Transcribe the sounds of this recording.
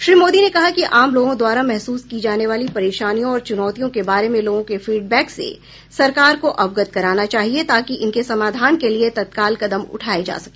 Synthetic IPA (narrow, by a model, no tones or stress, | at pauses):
ʃɾiːmoːd̪inekɐɦakiʔaːmloːɡõd̪waːɾamɛɦsuːskid͡ʒaːneʋaːlipɐɾeːʃaːnijõɔːɾt͡ʃʊnɔːt̪ijõkebaːɾemẽloːɡõkefiːɖbɛːksḛ | sɐɾkaːɾkoʔɐbɡət̪̚kɐɾaːnat͡ʃaːɦiet̪aːkiʔɪnkesɐmaːd̪ʱaːnkeliet̪ɐt̪̚kaːlkɐd̪əmʊ̰ʈʰaːed͡ʒa̰ːsɐkeː